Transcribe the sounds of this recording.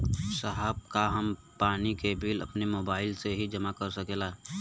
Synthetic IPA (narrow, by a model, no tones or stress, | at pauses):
səɦəb̚kaɦɐm | paːnikebiːlɐ̰pnemoːbaːɪlseɦid͡ʒɐmakɐɾsɐkeːla